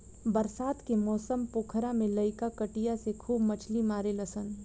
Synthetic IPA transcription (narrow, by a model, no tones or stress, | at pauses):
bɐɾsaːt̪kemɔːsəmpoːkʰɾãmẽləɪkakəʈijasekʰuːbmɐt͡ʃʰlimaːɾelɐsən